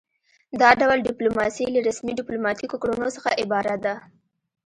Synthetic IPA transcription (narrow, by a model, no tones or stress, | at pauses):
d̪ɑɖawlɖɪplomɑsilaɾasmiɖɪplomɑt̪ikokɽunosəxa̰ʔɪbɑɾad̪a